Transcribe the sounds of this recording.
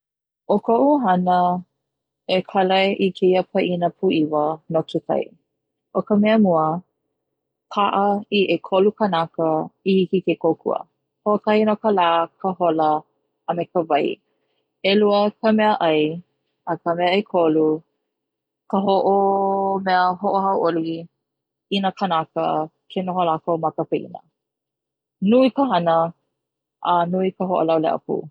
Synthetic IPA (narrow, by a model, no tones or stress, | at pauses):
ʔokʰoʔuɦɐnə | ekʰɐlɐʔikʰeiəpʰɐʔinəpʰuʔivənokʰekʰɐ̰j̰ | ʔokəmɛəmuə | kʰaʔəiʔekʰolukənakəihikikekokʰṵə̰ | hokɐinokəlaːkʰəholəː | mekəvɐj̰ | eluəkʰəmɛəʔɐj | əkəmɛəekʰolu | kəɦoʔomɛəɦoʔohɐwʔoli | inəkʰənakə̰kʰenoɦolakomɐkəpəʔḭnə̰ | nuikəɦɐnə | ʔənuikəɦoʔo̰lawlɛ̰ʔə̰pṵː